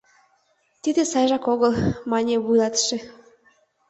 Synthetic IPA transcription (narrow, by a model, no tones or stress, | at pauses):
t̪id̪ĕsɑjʒɑkoɣəlˠmɑnʲeβujlˠɑt̪ʃĕ